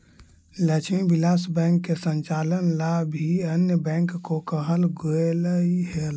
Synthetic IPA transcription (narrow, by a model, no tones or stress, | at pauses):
lət͡ʃʰmibilasbɛŋkːesənt͡ʃalənlabʱiənjəbɛ̃ŋkːokəɦəlɡoeləiɦel